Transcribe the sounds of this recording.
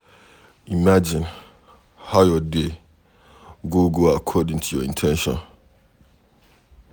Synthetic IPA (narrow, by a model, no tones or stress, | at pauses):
imad͡ʒɪ̃n | haʊjɔde | ɡoɡoakʰɔdɪ̃ŋtʰujɔĩntʰɛ̃nʃɔ̰̃n